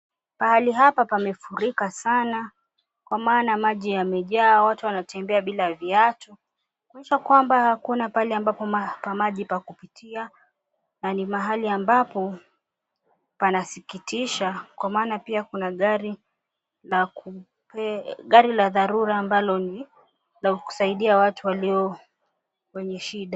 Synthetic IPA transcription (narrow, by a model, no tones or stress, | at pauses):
mahaliɦapapamɛfuɾikasana | kwamaːnamaʄijamɛʄaːwatuwanatɛmbɛaɓilaviatɔ | kwanɛʃakwambahakunapalɛambapɔmapamaʄipakupitʰia | nanimaɦaliambapɔ | panasikitiʃakwamaːnapiakunaɠaɾi | laku | pɛɠaɾilaðaɾuɾaːmbalɔni | lauku̥saiɗiawatuwaliɔ | wɛɲɛʃiɗa